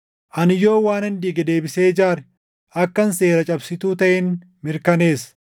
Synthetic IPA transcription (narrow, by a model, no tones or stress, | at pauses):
ʔɐnɪjo̞ːwaːnɪnd̪iːɡɐd̪e̞ːbɪse̞ːd͡ʒaːɾɛ | ʔɐkːɐnse̞ːɾɐt͡ʃʼɐbsɪt̪uːt̪ɐʔɛn | mɪɾkɐne̞ːs